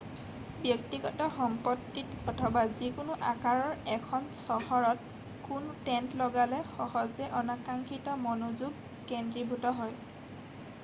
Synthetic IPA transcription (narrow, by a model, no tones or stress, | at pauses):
bjɔk̚tiɡɔtɔxɔmpɔtːitɔtʰɔbazikʊnʊʔakaɹɔɹɛkʰɔnsɔhɔɹɔt | kuntɛntlɔɡalɛxɔhɔzɛʔɔnakaŋkʰitɔmɔnozuɡ | kɛndɹibʱutɔɦɔj